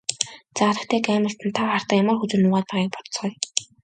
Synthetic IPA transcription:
t͡saɾə̆kt̪ʰeːkæːmə̆ɬt̪ɘ̆nt̪ʰawχar̥t̪ə̆kjamə̆rxut͡sɵ̆nːʊːʁaːt̪̚pæːʁiːk̚pɔ̥t̪̆t͡sχɞj

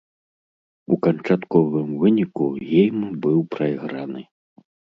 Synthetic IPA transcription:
ukɐnt͡ʂat̪kɔvɨmvɨnʲikuɣʲɛjmɨbɨwpɾɐiɣɾanɨ

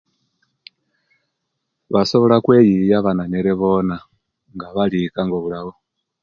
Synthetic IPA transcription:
βaso̞βo̞lakwejijaβananeɾeβo̞na | ŋɡaβalikaŋɡoβulaɣo

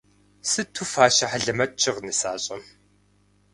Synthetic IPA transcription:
sɨtʰuːfaːʃɐħaɮɐmɐt̚ʼt͡ʃʰɪʁnɨsa̰ːɕʼɐm

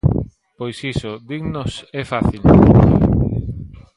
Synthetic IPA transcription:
pojsisoðiɣnosɛfaθil

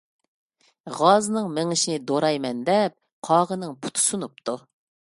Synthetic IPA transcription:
ʁɑznɨŋmɪŋɪʃinɪd̪oɾɑjmɛnd̪ɛp̚ | qʰɑːʁənɨŋpʰu̥t̪ʰu̥sunup̚t̪ʰu

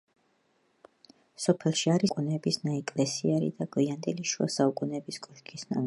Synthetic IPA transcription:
sɔpʰɛlˠʃiaɾikʼunɛbisnaɛkʼlɛsiaɾḭd̪aɡʼwiand̪ɛliʃua̰saukʼunɛbiskʼɔlkʰʼisna̰

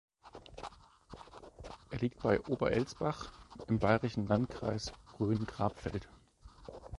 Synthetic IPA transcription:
ʔeːɐliːk̚t̚b̥aɪʔoːbɐ̰ʔɛlt͡sb̥aχʔɪmbaɪʁɪʃn̩lantkʁ̥a̰ɪsɡ̥ʁyːnɡ̥ʁaːpfɛ̰lt

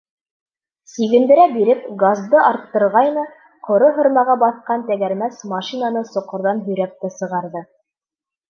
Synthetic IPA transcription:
siɡɘ̆nd̪ɘ̆ɾæbiɾɘp̚ɡazd̪ɤʔɑɾt̪ːɤ̆ɾʁɑjnɤ | qŏɾoɦŏɾmɑʁɑbɑθqɑnt̪æɡæɾmæsmɑʃinanɤsŏqŏɾðɑnɦɵ̆jɾæk̚t̪æsɤ̆ʁɑɾðɤ

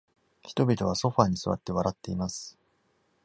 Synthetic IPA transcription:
çi̥t̪o̞bʲit̪o̞β̞aso̞ɸaːɲ̟isɨβa̰t̪ːe̞βaɾat̪ːe̞imasɨ̥

